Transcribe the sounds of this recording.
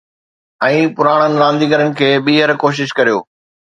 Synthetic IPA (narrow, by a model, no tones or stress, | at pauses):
ɛ̃ːpʊɾaːɽ̃ənɪ̆ɾãːnd̪iːɡəɾənɪ̆kʰeːɓiːɦəɾkoːʃ̬ɪʃkɐɾijo̰ː